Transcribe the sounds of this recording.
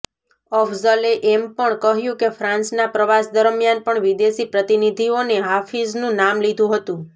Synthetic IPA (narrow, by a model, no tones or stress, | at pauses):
ɔfzəleʔɛmpəɳkəɦjũkefʰɾãnsnapɾəʋasd̪əɾmjanpəɳʋid̪esipɾət̪inid̪ʱioneɦafiznũnamlid̪ʱũɦət̪ũ